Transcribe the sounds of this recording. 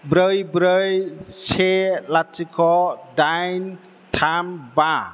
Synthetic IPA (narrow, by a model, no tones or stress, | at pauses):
bɾəjbɾəjselat̚t͡ʃikʰɔdajn | tʰamba